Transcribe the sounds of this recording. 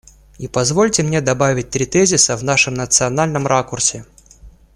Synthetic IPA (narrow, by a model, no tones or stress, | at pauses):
ipɐzvo̞lʲtʲɪmnʲed̪ɐbavʲɪt̚ʲt̪ɾʲɪt̪ɛzʲɪsəvnaʂɨmnət̪sɨɐn̪alʲnəmɾakʊrsʲɪ